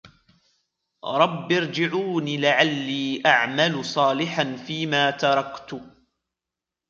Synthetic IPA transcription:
ɾˤɑbːɪɾd͡ʒɪʕuːniːlaʕalːiːʔaʕmalʊsˤɑːlɪħanfiːmaːt̪ɑɾˤɑkt̪ʊ

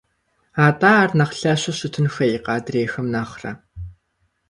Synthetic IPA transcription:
aːtʼaːrnɐχɬɐɕɪɕʊtʰɨnxɐjqɑːdreːxɐmnaːχrɐ̰

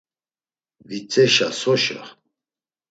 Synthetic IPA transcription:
vit͡sʼɛʃasɔʃɛ̰

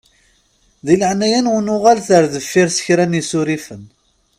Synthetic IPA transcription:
ðiləʕnæjænʊnʊʁalθəɾðəfːiɾsə̥çɾænisʊɾifən

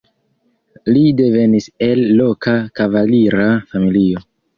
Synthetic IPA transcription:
lide̞ve̞nise̞lːo̞kakavaliɾafamilio̞

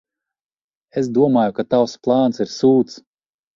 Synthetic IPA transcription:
esd̪uɔmaːjukat̪awsplˠɑːnsiɾsuːt̪s

